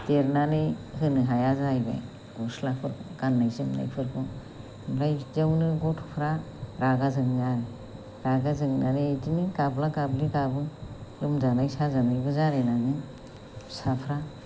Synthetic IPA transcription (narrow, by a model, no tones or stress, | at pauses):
teɾnanɯjhɯnɯɦajazajba̰j | ɡɔslapʰɯɾkʰɔ̰kanːajzɯŋna̰jpʰɯɾkʰɔ | bɾajzawnɯɡɔtʰpʰɾa | ɾaɡazɯŋzaɾe | ɾaɡazɯŋnanetinikablakablikabɯlɯmzanajsazanajbɯzaɾenaɡɯŋ | sapʰɾa